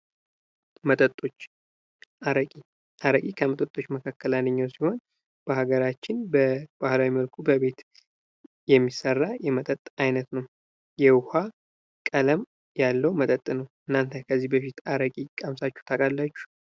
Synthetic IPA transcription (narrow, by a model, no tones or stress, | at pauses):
mət̪ʼət̪ʼːo̞t͡ʃː | aɾəkʼi | ʔaɾəkʼikʰəmət̪ʼət̪ʼːo̞t͡ʃːməkʰakːəlanːɨɲːawsiho̞n | b̥əhaɡəɾat͡ʃːɪnbəb̥ahlawiməlkʰubəβe̞t̪ | jɛmːisərːajɛmət̪ʼət̪ʼːajnət̪nəw | jɛwha | kʼələm | jalːəwmət̪ʼət̪ʼːnəwʔɨnːant̪ʰəkʰəzːihbəfit̪aɾəkʼikʼamsat͡ʃːu̥t̪ʰakʼalːat͡ʃːu̥